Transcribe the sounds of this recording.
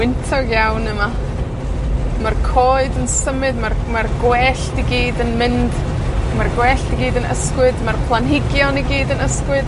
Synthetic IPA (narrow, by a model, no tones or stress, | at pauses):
wɪntʰɔɡjawnəma | markʰoːɨdənsəmɨdmarmarɡwɛɬtiɡiːdənmɪnd | marɡwɛɬtiɡiːdənə̰skwɨdmarpʰlˠanɦɪɡjɔniɡiːdənəskwɨd̥